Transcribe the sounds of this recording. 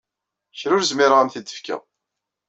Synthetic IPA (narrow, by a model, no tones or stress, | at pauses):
çɾʊɾzmɪɾʁamθid̪ːəfkæ̰